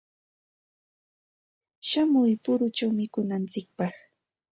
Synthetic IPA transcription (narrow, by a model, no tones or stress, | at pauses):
ʃamʊjpʊɾʊt͡ʃawmɪkʊnant͡sɪk̚pɑχ